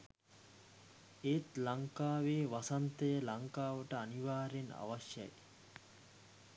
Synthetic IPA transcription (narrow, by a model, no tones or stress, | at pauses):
eːt̪lɐŋkaːʋeːʋɐsɐnt̪ɐjəlɐŋkaːʋɐʈəaniʋaːɾena̰ʋɐʃjɐ̰j